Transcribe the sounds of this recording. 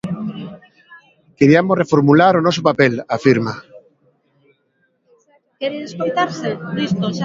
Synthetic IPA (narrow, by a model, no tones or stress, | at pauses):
keɾiamorefoɾmulaɾonɔs̬opapelafiɾma | keɾeðskojt̪aɾsedist̪oʃ